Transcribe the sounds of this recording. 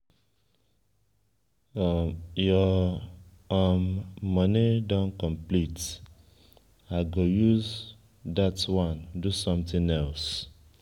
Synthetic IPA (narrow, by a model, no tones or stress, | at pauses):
jɔ | ɔmːʌnidɔ̃nkɔ̃mplit | aɡojuz | datwɔ̃ndusɔ̃mt̪ĩŋɛls